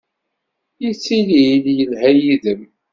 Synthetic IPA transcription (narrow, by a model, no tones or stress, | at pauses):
jit͡sːililjənhæjiðəm